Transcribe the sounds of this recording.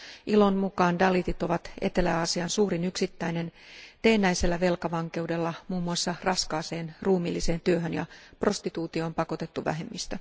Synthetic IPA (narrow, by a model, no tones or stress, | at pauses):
ʔilo̞nmukɑːndɑlit̪it̪o̞ʋɑt̪e̞̰t̪e̞læːɑsiɑnsuːɾinyksit̪ːæine̞nt̪e̞ːnːæjse̞lːæʋe̞lkɑʋɑŋke̞udelːɑmuːmːuɑsːɑrɑskɑːse̞ːnruːmilːise̞ːnt̪yøɦønjɑ̰pro̞st̪it̪uːt̪io̞ːmpɑko̞t̪e̞t̪ːuʋæ̰ɦe̞mːist̪æ